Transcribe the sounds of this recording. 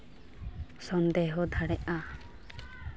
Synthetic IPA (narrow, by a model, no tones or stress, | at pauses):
sɔnd̪eɦɔd̪ʱaɽɛʔa